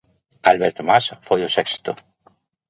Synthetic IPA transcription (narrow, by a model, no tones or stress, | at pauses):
alβeɾt̪masfojosekst̪o